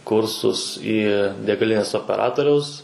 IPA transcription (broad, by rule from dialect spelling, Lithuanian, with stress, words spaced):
ˈkʊrsʊs iː dʲɛɡɐˈlʲɪnʲeːs oːpʲɛˈrɑːtoːrʲɛʊs